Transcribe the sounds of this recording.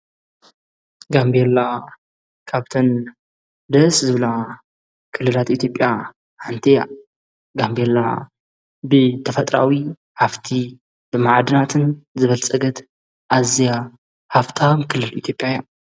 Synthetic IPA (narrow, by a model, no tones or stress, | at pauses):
ɡambelːa | kʰaβt̪ʰɐn | d̪ɐszɨβɨla | kʰɨlːɨlat̪ʔit̪ʰjo̞pʼja | ħɨnt̪ʰɐja̰ | ɡambelːa̰ | bɨt̪ʰɐfɐt̪ʼɾa̰wi | ħaft̪ʰi | b̥ɨmaʕd̪ɨnat̪ʰɨnzɨβɐlt͡sʼɐɡɐt̪ | ʔazija | haft̪ʰamkʰɨlːɨlit̪ʰjo̞pʼːjaja